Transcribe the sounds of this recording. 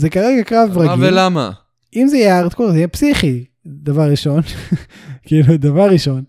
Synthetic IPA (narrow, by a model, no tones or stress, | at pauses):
zekaʁeɡakʁavʁaɡivelama̰ | imzejaʁt̪kuzejepsiχi | d̪avaʁːiʃo̞n | keilud̪avaʁːiʃo̞n